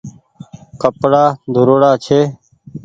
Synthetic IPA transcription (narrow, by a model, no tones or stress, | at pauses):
kəpɽaːd̪ʱʊɾoːɽaːt͡ʃʰeː